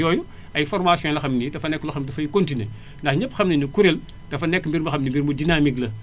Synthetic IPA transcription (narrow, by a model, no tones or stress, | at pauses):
jɔːju | ɐjfɔrmaːsjɔ̃lɐxɐmnidɐfɐnɛkːlɐxɐmdɐfɐjikontine | ndɐxɲɐpːxɐmninikuɾel | d̥ɐfɐnɛkːmbiɾmbɐxɐmnimbiɾmbudinamiklɐ